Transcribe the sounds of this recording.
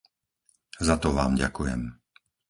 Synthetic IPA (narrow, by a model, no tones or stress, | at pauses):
zat̪ɔʋaːmɟa̰kujɛ̰m